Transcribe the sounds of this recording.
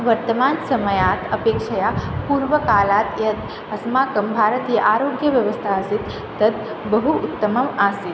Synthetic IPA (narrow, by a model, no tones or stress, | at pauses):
ʋəɾt̪əmaːnsɐməjaːt̪ʰəpeːkʃəjapuːɾʋəkaːlaːt̪jɐt̪ | ɐsmaːkɐmbʱaːɾət̪ijəʔaːɾoːɡjəʋjɐʋəst̪ʰaɐsit̪ː | ɐt̪̚ | bəɦuʊt̪ːəməmaːsi